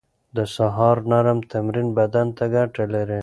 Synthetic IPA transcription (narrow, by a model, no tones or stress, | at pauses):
d̪əsaɦɑɾnaɾamt̪amɾinbad̪ant̪aɡaʈalaɾe